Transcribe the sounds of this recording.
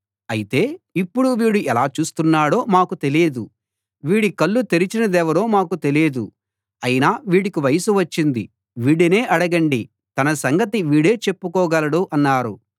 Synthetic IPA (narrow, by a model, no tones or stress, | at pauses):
ɐjit̪e̞ːipːuɽuʋiːɽuɛlaːt͡ʃuːst̪unːaːɽo̞ːmaːkut̪e̞leːd̪u | ʋiːɽikɐlːut̪e̞ɾit͡ʃinɐd̪ɛːʋɐɾo̞ːmaːkut̪e̞leːd̪u | ɐjinaːʋiːɽikiʋɐjɐsuʋɐt͡ʃːind̪ḭ | ʋiːɽene̞ːʔɐɽɐɡɐɳɖi | t̪ɐnɐsɐŋɡɐt̪iʋiːɽe̞ːt͡ʃe̞pːukɔːɡɐlɐɽuʔɐnːaːɾu